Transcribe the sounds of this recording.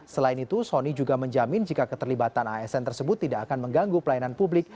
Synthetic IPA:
səlaɪnit̪usonid͡ʒuɡaməɲd͡ʒamɪnd͡ʒikakət̪ərlibat̪anaɛsɛnt̪ərsəbʊt̪ːidaʔːkanməŋɡaŋɡupəlajnanpublɪk̚

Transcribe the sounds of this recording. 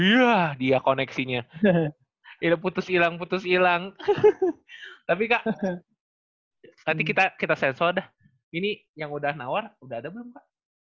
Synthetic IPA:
iadiakonɛksiɲa | ilput̪ʊsilaŋput̪ʊsilaŋ | t̪apikaʔ | kat̪ikit̪akit̪asɛnsɔdah | inijaŋudahnawarudahadabəlʊmkaʔ

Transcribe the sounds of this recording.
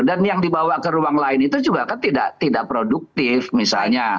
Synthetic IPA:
danjaŋdibawakəɾuaŋlaɪnit̪ud͡ʒuɡakant̪ida̰ʔt̪idaʔpɾoduk̚t̪ɪfmisa̰lɲa

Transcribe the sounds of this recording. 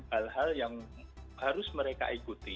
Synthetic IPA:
alhaljaŋ | haɾʊsməɾeka̰ikut̪i

